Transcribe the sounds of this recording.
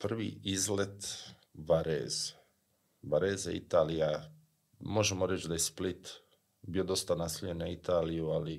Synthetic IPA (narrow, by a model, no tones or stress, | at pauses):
pr̩ʋḭːizlet̪ | ʋaɾḛːze̥ | ʋaɾeːza̰ḭt̪aːlija | mo̞ʒemoɾet͡ʃd̪aje̞split̪ | bijod̪o̞st̪anasoʎenait̪ʰaːlijuali